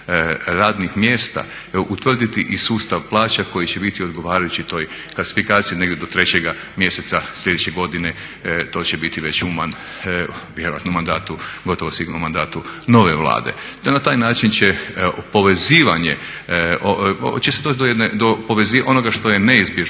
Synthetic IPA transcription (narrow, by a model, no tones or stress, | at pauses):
ɾaːd̪nixmjeːst̪a̰ | ut̪ʋr̩d̪it̪iʔisuːst̪aʋplˠaːt͡ʃako̞jit͡ɕebit̪io̞d̪ɡo̞ʋaːɾajut͡ɕit̪o̞ːj | klˠasi̥fikaːt̪sijine̞ɡdjed̪ot̪ɾe̞t͡ɕeɡa | mje̞se̞t̪saslʲʎʲe̞d̪ut͡ʃeɡo̞d̪ine | t̪o̞ːt͡ɕebit̪iʋe̞t͡ɕuman | ʋjeɾoja̰t̪nomːand̪aːt̪uɡo̞t̪o̞ʋosʋiɡnomːand̪aːt̪uno̞ʋeʋlˠa̰ːd̪ḛ | t̪nat̪aːjnaːt͡ʃint͡ɕepo̞ʋeziːʋaɲḛ | ot͡ʃesed̪ot̪d̪ojened̪opoʋeziʔo̞no̞ɡaʃt̪o̞jeneizbjeʒ